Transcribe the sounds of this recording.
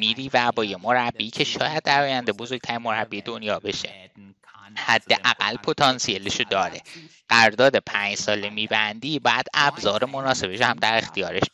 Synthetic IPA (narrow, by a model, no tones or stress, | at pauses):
miːɾiːvæbɒːjemo̞ɾæbːiːcʰe̞ʃɒ̰ːjæd̪̚ːæɾɒːjænd̪e̞bo̞zo̞ɾɡ̥̚t̪ʰæɾimo̞ɾæbːiːed̪o̞njɒːbe̞ʃḛ | hæd̪ːe̞ɣʔæɡæ̰lːpʰo̞t̪ʰɒnsieleʃod̪ɒːɾe̞ | ɢ̥æɾɾd̪ɒːd̪e̞pʰæɲd͡ʒsɒːlemiːbænd̪iːbɒːjæd̪æbzɒːɾemo̞nɒːse̞beʃohæmd̪æɾe̞xt̪ijɒːɾeʃ